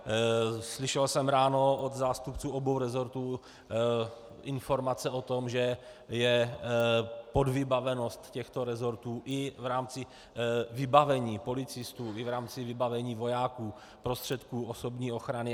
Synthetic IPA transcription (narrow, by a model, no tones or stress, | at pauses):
slɪʃɛlsɛmɾaːno̞od̪zaːst̪upt͡suːʔobowɾɛzo̞ɾt̪uː | ʔɪnfo̞ɾmat͡sɛo̞t̪o̞mʒɛ | jɛ | podvɪbavɛno̞st̪cɛxt̪o̞ɾɛzoɾt̪uːʔɪvɾaːmt͡sɪ | vɪbavɛɲiːpo̞lɪt͡sɪst̪uːɪvɾaːmt͡sɪvɪbavɛɲiːvo̞jaːkuː | pɾost̪r̥ɛt̪kuːoso̞bɲiːo̞xɾanɪ